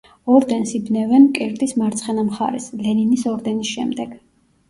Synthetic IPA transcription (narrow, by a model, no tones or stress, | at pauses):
ɔɾd̪ɛnsibnɛvɛnkʼɛɾd̪ʼismaɾt̪sʰχɛnamχa̰ɾɛ̰slɛninisɔɾd̪ɛnisʃɛ̰md̪ɛɡ̥